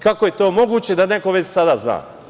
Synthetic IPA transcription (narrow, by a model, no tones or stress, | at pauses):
kakoje̞t̪oːmo̞ɡuːt͡ɕe̞d̪aneko̞ʋet͡ɕsad̪aːzna̰ː